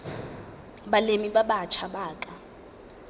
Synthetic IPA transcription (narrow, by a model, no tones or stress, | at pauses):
balemibaɓat͡ʃʰabaːkʼa